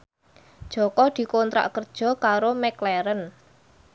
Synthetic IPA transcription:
d̥ʒ̥ɔ̤kɔd̪̥i̤kont̪ɾa̰ʔkərd̥ʒ̥ɔ̤kaɾomɛklɛɾən

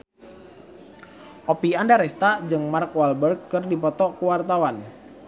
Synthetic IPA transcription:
ʔopiandaɾɛst̪aʔd͡ʒɨŋmarkwalbərkːərdipɔt̪ɔkuwart̪awan

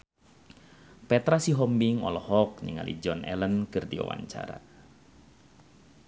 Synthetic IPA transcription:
pɛt̪ɾasiɦɔmbiŋɔ̰lɔhɔk̚niŋalḭd͡ʒɔnʔɛ̰lənkɨrdiwa̰wa̰ɲt͡ʃa̰ɾa̰

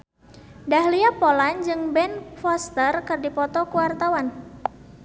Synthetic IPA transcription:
daɦliapɔland͡ʒɨŋbɛnfɔst̪ərkɨrdipɔt̪ɔkuwart̪awan

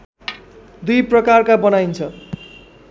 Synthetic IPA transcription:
d̪ujprʌkarkabʌnajnt͡sʰʌ

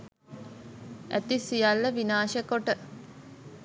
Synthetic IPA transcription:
æ̰t̪isijɐlːəʋinaːʃəkoʈə

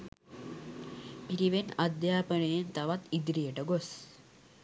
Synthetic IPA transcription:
piɾiʋenad̪jaːpəɳejent̪ɐʋat̪id̪ɾijəʈəɡos

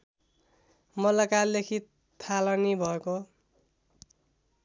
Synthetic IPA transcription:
mʌlʌkalekʰit̪ʰː | alʌnibʱʌeko

